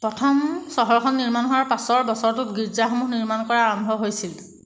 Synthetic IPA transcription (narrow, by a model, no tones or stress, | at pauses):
pɹɔtʰɔmsɔɦɔɹkʰɔnːiɹmanɦɔwaɹpasɔɹbɔsɔɹtʊtɡiɹzaxomuxniɹmankɔɹaːɹɔmbʱɔɦojsil